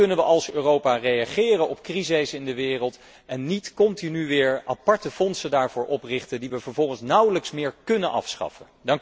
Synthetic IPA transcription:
ɵnənʋəʔɑlˠsøːrowpaːrejaχɪːrənɔpkrizɪsɪndəʋɪːrəlˠt | ɛnːitkɔntinyʋɪːɹapɑɹtəfɔnsədaːɹvʊːɹʔɔprɪχtəndiʋəvəɹvɔlˠχənsnʌwləksmɪːɹkɵnənʔɑ̰fsχɑ̰fə | dɑŋ

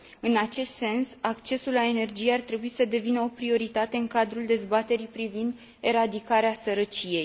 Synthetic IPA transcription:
ɨnat͡ʃe̞st̪se̞nsak̚t͡ʃe̞sulːae̞ne̞rd͡ʒije̞art̪ɾe̞buisəd̪e̞vinəopɾio̞ɾit̪at̪e̞ɨŋkad̪ɾuld̪e̞zbat̪e̞ɾipɾivind̪ | e̞ɾad̪ikaɾeasəɾət͡ʃije̞j

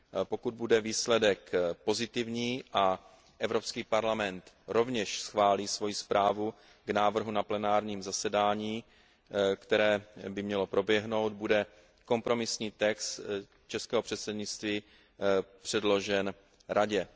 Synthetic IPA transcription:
po̞kud̪̚budɛviːslɛdɛkpo̞zɪt̪ɪvɲiːʔa | ʔɛvɾo̞pskiːpaɾlamɛnt̪ | ɾo̞vɲɛʃsxvaːliːsvo̞jispɾʔaːvu | ɡnaːvr̩ɦunaplɛnaːɾɲiːmzasɛdaːɲiː | kt̪ɛɾɛːbɪmɲɛlo̞pɾo̞bjɛɦno̞wd̪̚budɛ | ko̞mpɾo̞mɪsɲiːt̪ɛkst̪ | t͡ʃɛskɛːɦor̥ɛt̪sɛdɲɪt͡st̪viː | pr̝̥ɛdlo̞ʒɛn | ɾʔaɟɛ

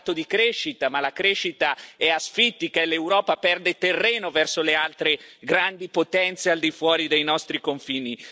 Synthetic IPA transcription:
t̪od̪ikɾeʃːit̪amalakɾeʃːit̪aɛasfit̪ːikalːewɾɔːpapɛrd̪et̪erːeːnovɛrsolealt̪ɾeɡɾand̪ipot̪ɛnt̪seald̪ifwɔːɾid̪ejnɔst̪ɾikoɱfiːni

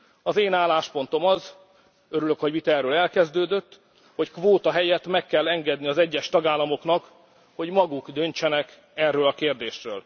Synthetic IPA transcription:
ɒzeːnaːlːaːʃpo̞nt̪o̞mɒz | øɾyløkho̞ɟmit̪ɛrːøːlɛlkɛzd̪øːd̪øt̪ː | ho̞ckʋoːt̪ɒɦɛjɛt̪mɛkːɛlːɛŋɡɛd̪niɒzɛɟːɛʃt̪ɒɡaːlːɒmo̞knɒk | ho̞ɟmɒɡukd̪ønt͡ʃɛnɛk | ɛrːøːlɒkeːrd̪eːʃrø̰ːl

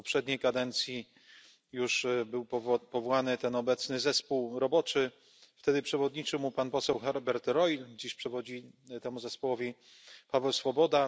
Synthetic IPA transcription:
pɔpʂɛd̪ɲejkad̪ɛnt̪sʲji | juʂbɘwpɔvpɔvɔwanɘt̪ɛnɔbɛt̪snɘzɛspuwɾɔbɔt͡ʂɘ | ft̪ɛd̪ɘpʂɛvɔd̪ɲit͡ʂɘwmupanpɔsɛwxɛɾbɛɾt̪ɾɔjld͡ʑiɕpʂɛvɔd͡ʑit̪ɛmuzɛspɔwɔvʲi | pavɛwsfɔbɔd̪a

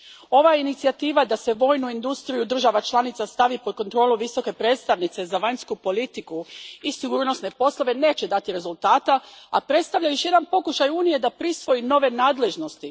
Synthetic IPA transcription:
o̞ʋainit̪siat̪iːʋad̪ase̞ʋo̞ːjnuind̪ust̪ɾijud̪r̩ʒaʋat͡ʃlˠanit̪sast̪aʋipo̞d̪̚ko̞nt̪ɾo̞ːlˠuʋiso̞ke̞pɾeːt̪st̪aʋnit̪se̞zaʋaɲskupo̞lit̪ikuisiɡuːɾno̞sne̞po̞slˠoʋe̞ne̞ːt͡ɕe̞d̪at̪iɾe̞zulˠt̪aːt̪aapɾe̞t̪st̪aʋʎajo̞ʃje̞d̪anpo̞kuʃajuːnije̞d̪apɾisʋo̞ino̞ʋe̞naːd̪le̞ʒno̞st̪i

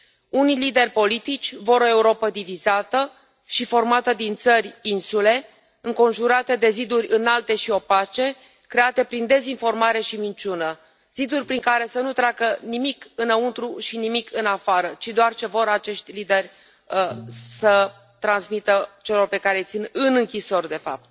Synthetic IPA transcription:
unijlid̪e̞rʲpo̞lit̪it͡ʃʲvo̞ɾo̞e̞uɾo̞pəd̪ivizat̪ə | ʃifo̞rmat̪əd̪int̪sərʲinsule̞ | ɨŋko̞nʒuɾat̪e̞d̪e̞zid̪urʲɨnalt̪e̞ʃio̞pat͡ʃe̞ | kɾe̞at̪e̞pɾind̪e̞zinfo̞rmaɾe̞ʃimint͡ʃunə | z̥id̪urʲpɾiŋkaɾe̞sənut̪ɾakənimikɨnəunt̪ɾuʃinimikʰɨnafaɾət͡ʃid̪oart͡ʃe̞vo̞ɾat͡ʃe̞ʃt̪ʲlid̪e̞rʲ | sə | t̪ɾansmit̪ət͡ʃe̞lo̞rpe̞kaɾe̞t̪sinɨnɨŋkʲiso̞rd̪e̞fa̰p̚t̪̚

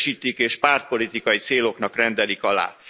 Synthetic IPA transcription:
ʃiːt̪ikeːʃpaːrt̪̚po̞lit̪ikɒjit̪seːlo̞knɒkrɛnd̪ɛlikɒla̰ː

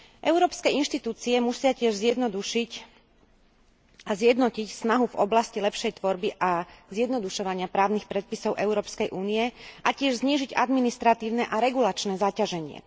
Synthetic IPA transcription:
ʔɛʊɾɔːpskɛinʃt̪it̪uːt͡siɛmusɪacɪɛʒzɪjɛd̪nɔd̪uʃic | azjɛd̪nɔcicsnaɦuvɔblascilɛpʃɛjt̪ʋɔɾbiʔazjɛd̪nɔd̪uʃɔʋaɲɪapɾaːʊnixpɾɛt̪̚pisɔʊʔɛʊɾɔːpskɛjʔuːnijɛʔacɪɛʒzɲiːʒiɟa̰d̪minist̪ɾat̪iːʊnɛʔaɾɛɡulat͡ʃnɛːzacaʒɛɲɪɛ̰

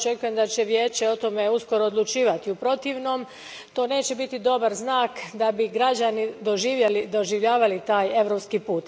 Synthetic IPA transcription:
t͡ʃe̞kuje̞md̪at͡ɕe̞ʋje̞ːt͡ɕe̞o̞t̪o̞me̞usko̞ɾo̞ːd̪lˠut͡ʃiːʋat̪iupɾo̞t̪iʋno̞ːm | t̪o̞ːne̞ːt͡ɕe̞bit̪id̪o̞baɾznaːkd̪abiɡɾad͡ʑanid̪o̞ʒiːʋjelid̪o̞ʒiʋʎaːʋalit̪aːje̞ʋɾo̞pskiːpuːt̪

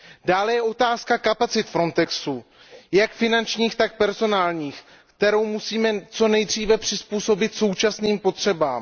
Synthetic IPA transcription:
daːlɛjɛʔo̞t̪aːskakapat͡sɪt̪fɾo̞nt̪ɛksu | jakfɪnant͡ʃɲiːxt̪ak̚pɛɾzo̞naːlɲiːx | kt̪ɛɾo̞wmusiːmɛt͡so̞nɛjd̪r̝iːvɛpr̝̥ɪspuːso̞bɪt̪so̞wt͡ʃasniːmpo̞t̪r̝̥ɛbaːm

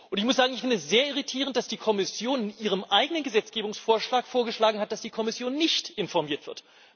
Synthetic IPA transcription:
ʔʊntɪçmʊsz̥aːɡŋɪçfɪndəɛsz̥eːɐɪʁ̞itʰiːʁ̞ənt̚d̥asd̥iːkʰɔmɪsjoːnɪnʔiːʁ̞əmʔaɪɡənənɡəzɛt͡sɡ̥eːbʊŋsfoːɐʃlaːkfoːɐɡəʃlaːɡŋ̩ɦat̚d̥asd̥iːkʰɔmɪsjoːnːɪçtʔɪnfɔɐmiːɐtv̥ɪɐt

